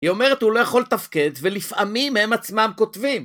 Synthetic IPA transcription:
hio̞me̞ʁet̪hulo̞jaχo̞lt̪afke̞d̪ve̞lifʔamimhe̞mat͡smamko̞tvim

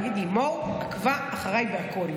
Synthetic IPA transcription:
ɡid̪imoakvaaχaʁajbeakol

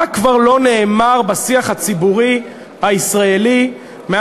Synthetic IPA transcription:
akvaʁlo̞neːmaʁbasiaχat͡sibuʁi | haisʁaeli | me

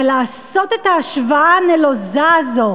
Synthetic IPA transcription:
laːso̞t̪et̪aːʃvaanelozazo̞

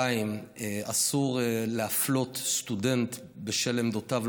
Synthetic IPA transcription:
aimasuʁleaflo̞t̪st̪ude̞nt̪ | beʃelemd̪otav

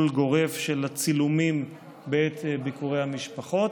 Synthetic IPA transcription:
lɡo̞ʁe̞vʃelat͡silumim | beet̪bikuʁehamiʃpaχo̞t

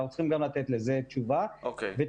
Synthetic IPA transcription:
wot͡sχimɡamlat̪et̪lezet͡ʃuvaokeve

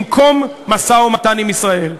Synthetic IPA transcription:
mkʰo̞mːasaomatanimisʁae̞l

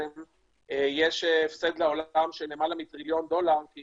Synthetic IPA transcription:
ejeʃeefsed̪leo̞lamʃelemalamit̪ʁiljo̞nd̪o̞laʁki

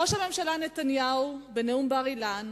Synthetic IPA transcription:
o̞ʃhame̞mʃalane̞t̪anjaubeneumbeaʁilan

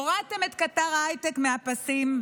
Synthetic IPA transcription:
oʁat̪eme̞t̪kataʁajt̪ekmeapasim

